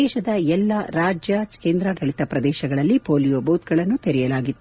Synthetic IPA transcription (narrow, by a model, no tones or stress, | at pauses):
ɛːʃɐd̪ɐɛlːɐɾaːd͡ʒjɐkeːnd̪ɾɐʈɐɭit̪ɐpɾɐd̪ɛːʃɐɡɐɭɐlːipoːlijoːbɐwut̪ɡɐɭɐnːut̪eɾɛjɐlaːɡit̪ːu